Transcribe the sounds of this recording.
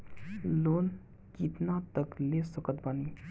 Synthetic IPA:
lon | kit̪nat̪əklesəkət̪̚bani

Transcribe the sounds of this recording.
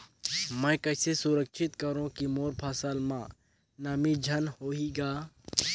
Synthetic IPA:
mə̃kɐɦsesʊɾəkʃʰɪt̪kəɾõkimoːɾpʰaːsaːlmãː | namid͡ʒʱɐnhoːiɡaː

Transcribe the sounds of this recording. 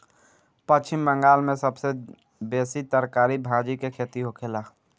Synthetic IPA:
pɐt͡ʃt͡ʃɪmbə̃ŋɡaːlmẽsəbse | beːsit̪əɾkaːɾibʱãːd͡ʒikekʰet̪iɦokʰeːlaː

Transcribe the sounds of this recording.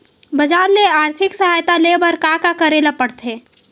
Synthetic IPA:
bəd͡ʒaːɾːeaːɾt̪ʰɪksəɦaːjt̪alebəɾkakakəɾelapəɽt̪ʰe

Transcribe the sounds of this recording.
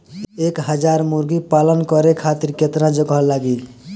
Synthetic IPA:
ekɦəd͡ʒaɾmuɾɡipalənkʌɾekʰat̪iɾket̪ɾãd͡ʒəɡɦəlːaɡi

